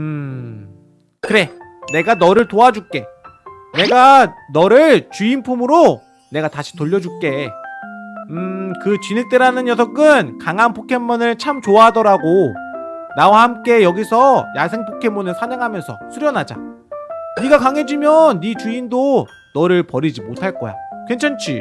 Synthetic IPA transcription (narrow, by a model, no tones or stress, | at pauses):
ɯ | kɯɾe̞ | ne̞ɡanʌɾɯɭtoad͡ʑuk͈e̞ | ne̞ɡanʌɾɯɭt͡ɕuinpʰumɯɾo | ne̞ɡataɕʰi̥toʎːʌd͡ʑuk͈e̞ | ɯkɯt͡ɕinɯk̚t͈eɾanɯnjʌs̬ʰʌk͈ɯnkaŋanpʰokʰe̞mːunɯɭt͡ɕʰamt͡ɕoaɦadʌɾaɡo | nawahamk͈e̞jʌɡisʰʌjasʰe̞ŋpʰokʰe̞mːunɯɭsʰaɲaŋɦamjʌnsʰʌsʰuɾjʌnad͡ʑa̰ | niɡakaŋe̞d͡ʑimjʌnːit͡ɕuindo | nʌɾɯɭpʌɾid͡ʑimotʰaɭk͈ʌ̰ja̰kwent͡ɕʰant͡ɕʰi